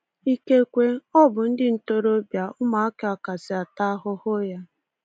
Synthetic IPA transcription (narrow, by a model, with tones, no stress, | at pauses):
i˦ke˦kʷe˦ɔ˦bʊ˨n̩˦dɪ˦n̩˦to˦ɾo˦bja˨ʊ˦ma˨a˦kɪ˦a˨ka˨sɪ˨a˨ta˦ɦʊ˦hʊ˦ja˦